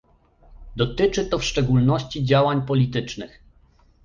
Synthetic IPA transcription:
d̪ɔt̪ɘt͡ʂɘt̪ɔfʂt͡ʂɛɡulnɔɕt͡ɕid͡ʑawaɲpɔlʲit̪ɘt͡ʂnɘx

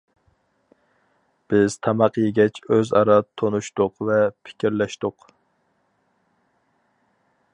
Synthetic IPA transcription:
b̥ɪz̥t̪ʰɑmɑqjeɡʲɛt͡ʃʰøzɑ̰ɾɑt̪ʰːonuʃt̪ʊqvɛpʰɪ̥kʲiɾlɛʃt̪ʊq

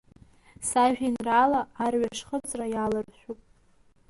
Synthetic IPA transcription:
saʒᶣinralaːrɥaʂχət͡sʼrajalɨrʃʷᶣupʼ

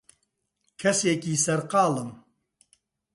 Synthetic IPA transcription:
kʰɛseːkiːsɛɾqɑːlɨm

